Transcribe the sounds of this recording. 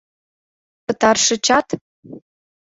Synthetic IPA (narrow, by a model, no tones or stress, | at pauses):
pə̆t̪ɑrʃɤ̆t͡ɕɑt̪